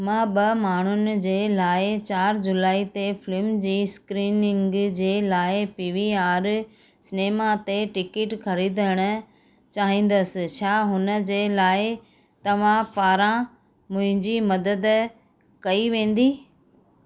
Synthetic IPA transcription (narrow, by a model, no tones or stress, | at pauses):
mãːɓɐmaːɳ̤ʊnɪ̆d͡ʑeːlaːɪt͡ɕaːɾd͡ʑʊlaːit̪efɪlɪmd͡ʑiːskɾiːnɪ̃ŋɡd͡ʑeːlaːɪpiːʋiaːɾ | sɪneːmat̪eʈɪkɪʈxɐɾiːd̪ʱəɽ̃ə̆ | t͡ɕaːɦĩːn̆d̪əsɪ̆t͡ɕʰaːɦʊnə̆d͡ʑeːlaːɪ | t̪ɐʋ̤ãpaːɾã | mʊ̃ɦɪ̃ɲd͡ʑimɐd̪əd̪ | kɐiʋẽːn̆d̪iː